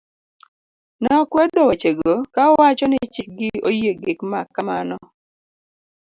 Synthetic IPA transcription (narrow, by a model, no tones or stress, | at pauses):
nakwɛdɔwat͡ʃeɡokaɔwat͡ʃɔnɪt͡ʃɪk̚ɡɪojeɡɪkmakːamanɔ